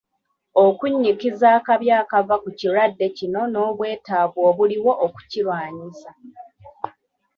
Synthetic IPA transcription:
okuɲːikizaːkaβjaːkavakuciɾadːe̞cino̞no̞ːβwe̞ːtaːvoːβuliwo̞ʔoku̥ciɾwaːɲisa

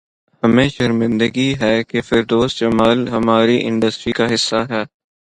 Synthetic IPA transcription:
hɐmẽːʃɐɾmɪ̃nd̪əɡiɦɛːkefɪɾd̪oːsd͡ʒɐmaːlɦɐmaːɾiʔɪ̰̃ɳɖəsʈɾikaɦɪsːaɦɛː

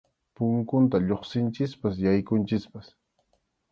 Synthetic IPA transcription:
pʊŋkʊnt̪aʎoχsɪnt͡ʃɪspas̬jajkʊnt͡ʃɪspas

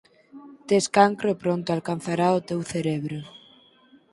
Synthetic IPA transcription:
t̪eskaŋkɾopɾõnt̪ʊalkan̟θaɾaot̪ewθeɾeβɾʊ

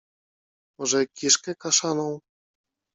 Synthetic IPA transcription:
mɔʐɛkʲiʂkɛkaʂanɔ̃w̃

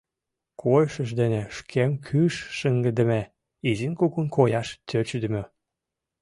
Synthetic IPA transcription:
kʰojʃəʃ̬d̪eneʃkʰemkʰyʃːəŋɡə̆d̪ə̆me | izinkukunkʰojɑʃt̪ʲʰøt͡ɕyd̪ə̆mø

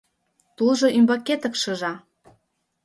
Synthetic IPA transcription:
t̪ulʒoʔymbɑket̪ə̆kʃɤ̆ʒɑ

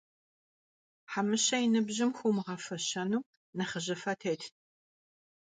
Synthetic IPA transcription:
ħamɨɕɐjɪnɨbʑɪmxʷumʁɐfɐɕɐnuː | nɐχəʑɐfɐtʰeːtʰ

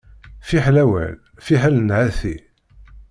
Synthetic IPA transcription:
fiħlæwæ̰l | fiħælnʕæθi

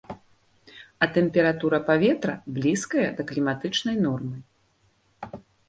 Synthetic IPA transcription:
ɐt̪ɛmpʲɛɾat̪uɾɐpavʲɛt̪ɾɐblʲiskɐjɐd̪ɐklʲimat̪ɨt͡ʂn̪ɐjnɔrmɨ

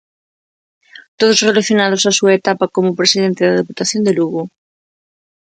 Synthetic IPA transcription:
t̪oð̞ozrelaθjonað̞osasuaet̪apakomopɾesiðent̪eðaðeput̪aθjond̪eluɣu

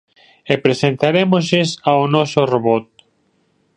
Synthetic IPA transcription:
epɾesent̪aɾemozesaonɔsoroβɔt̪̚

